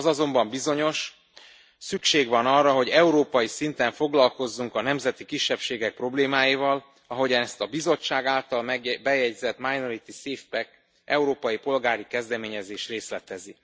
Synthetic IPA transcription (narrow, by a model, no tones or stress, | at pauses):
zɒzo̞mbɒmbizo̞ɲo̞ʃ | sykʃeːɡʋɒnɒrːɒɦo̞ɟɛuɾoːpɒjisint̪ɛɱfo̞ɡlɒlko̞zːuŋkɒnɛmzɛt̪ikiʃːɛpʃeːɡɛk̚pro̞bleːmaːjivɒl | ɒɦo̞ɟɒnɛst̪ɒbizo̞t͡ʃːaːɡaːlt̪ɒlmbɛjɛɟzɛt̪majnoɾit̪iseːfpɛk | ʔɛuɾoːpɒjipo̞lɡaːɾikɛzd̪ɛmeːɲɛzeːʃt̪reːslɛt̪ɛzi